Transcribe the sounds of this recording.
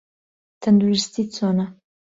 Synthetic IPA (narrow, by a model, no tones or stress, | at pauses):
t̪and̪ɾuɾɪst̪it͡sona